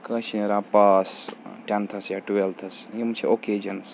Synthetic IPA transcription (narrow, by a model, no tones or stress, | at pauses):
kɐt͡ʃʰiɾapasʈʲant̪ʰɐsjaʈuelt̪ʰɐsjimt͡ʃʰioked͡ʒɐns